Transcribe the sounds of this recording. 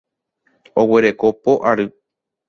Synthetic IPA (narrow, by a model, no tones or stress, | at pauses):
o̞we̞ɾe̞kopo̞ʔaɾɨ